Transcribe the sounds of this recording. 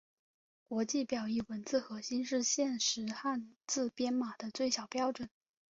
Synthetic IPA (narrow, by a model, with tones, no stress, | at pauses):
kwɔ˧˥t͡ɕi˥˩pjɑ˨˩ʊi˥˩wə˧˥nt͡sɹ̩˥˩xɤ˧˥ɕi˥nʂɻ̩˥˧ɕjɛ˥˩nʂɻ̩˧˥xa˥˧nt͡sɹ̩˥˩pjɛ˥nma˨˩d̪ə˦t͡swe˥˩ɪɕjɑ˨˩ʊpjɑ˥ʊʈ͡ʂwə˨˩˦n